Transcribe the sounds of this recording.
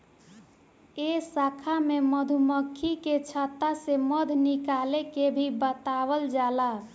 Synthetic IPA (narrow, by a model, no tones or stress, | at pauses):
esakʰameməd̪ʱuməkʰːiket͡ʃʰat̪ːaseməd̪ʱnikalekebʱibət̪abəld͡ʒala